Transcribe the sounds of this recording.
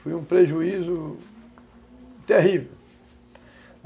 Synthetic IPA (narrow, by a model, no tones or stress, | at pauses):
fujũpɾeʒuizʊ | t̪eɦivew